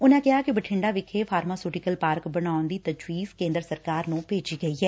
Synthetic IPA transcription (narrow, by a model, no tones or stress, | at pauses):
ʊnɛ̃ːkɪɦaːkɪbəʈʰɪɳɖaːʋɪkʰeːpʰaːɾmaːsuːʈɪkəlpaːɾkbənaːʊnd̪iːt̪əd͡ʒwiːzkẽːnd̪əɾsəɾkaːɾnũːpeːd͡ʒiːɡəiːɦɛː